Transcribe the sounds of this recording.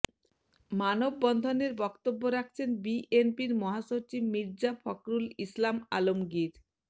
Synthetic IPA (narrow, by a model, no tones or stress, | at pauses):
manobːɔnd̪ʱoneɾbɔkt̪obːoɾak̚ʰt͡ɕʰenbiʔenpiɾmɔɦaʃot͡ɕibmiɾd͡ʑafɔkɾulislama̰lomɡiɾ